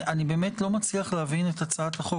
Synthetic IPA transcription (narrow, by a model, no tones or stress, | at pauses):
anibeːme̞tlo̞mat͡sliaχleavinetat͡saataχo